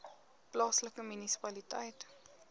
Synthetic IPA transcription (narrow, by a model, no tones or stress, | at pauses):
plɑːsləkəmynisi̥pɐlitəjt